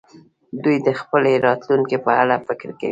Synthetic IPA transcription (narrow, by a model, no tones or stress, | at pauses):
d̪ujd̪əxpəleɾɑt̪luŋkipəalafɪkɾka̰wi